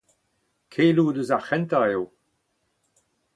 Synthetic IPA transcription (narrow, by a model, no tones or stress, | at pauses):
kʰeːluduzaχɛnt̪aew